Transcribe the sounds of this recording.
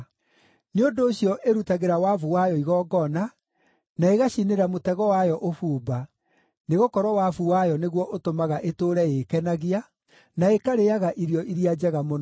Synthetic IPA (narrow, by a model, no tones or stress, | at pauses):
neondoːɕjɔʔeɾutaɣeɾawavuwajɔiɣɔːɡɔna | naeɣaɕineɾamotɛɣɔwajɔʔofuːba | neɣokɔɾɔwafuwajɔneɣwɔʔotomaɣaʔetoːɾɛekɛnaɣia | naekaɾejaɣaʔiɾiɔʔiɾiad͡ʑɛɣamon